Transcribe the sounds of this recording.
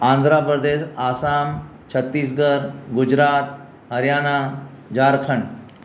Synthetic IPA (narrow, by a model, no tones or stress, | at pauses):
ãnd̪ʱɾapɾəd̪eɕasam | t͡ɕʰət̪ːiːsɡəɾɡud͡ʑɾaːt̪̚ | ɦəɾjaːna | d͡ʑaːɾkʰəɳ